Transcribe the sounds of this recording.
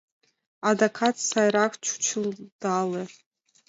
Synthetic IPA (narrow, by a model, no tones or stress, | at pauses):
adakʰatsajɾakʰt͡ʃʷʰu̥t͡ʃʷʰɨld̥ale